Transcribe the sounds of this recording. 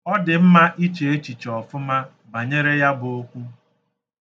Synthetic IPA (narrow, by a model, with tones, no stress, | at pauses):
ɔ˦dɪ˨m̩˦ma˦ʔi˦t͡ʃe˨e˦t͡ʃi˨t͡ʃɔ˨fʊ˦ma˦ | ba˨ɲe˦ɾe˦ja˦bʊ˨o˦kʷu˦